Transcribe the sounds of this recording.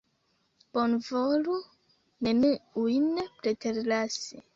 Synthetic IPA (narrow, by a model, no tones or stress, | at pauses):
b̥onvolu | neniujnpɾeteɾlasi